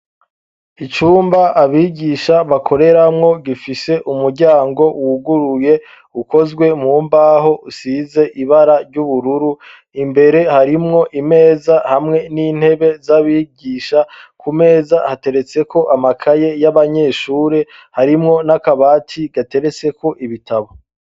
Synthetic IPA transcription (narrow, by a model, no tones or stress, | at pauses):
it͡ʃuːmbaʔaβiːɟiʃaβakʰo̞ɾe̞ɾamŋo̞ɡifise̞ʔumuɾɟaːŋɡo̞wuɡuɾuje̞ | uko̞zɡwe̞mŋuːmbaɦo̞usize̞ʔiβaɾaɾɟuβuɾuɾu | imbe̞ɾe̞haɾimŋo̞ʔime̞ːzahamŋe̞niːn̥he̞βe̞zaβiːɟiːʃakʰume̞ːzahate̞ɾe̞t͡se̞ko̞ʔamakʰaje̞jaβaɲe̞ːʃuːɾe̞ | haɾimŋo̞nakaβaːtʰiɡ̥ate̞ɾe̞t͡se̞ko̞ʔiβitʰaβo̞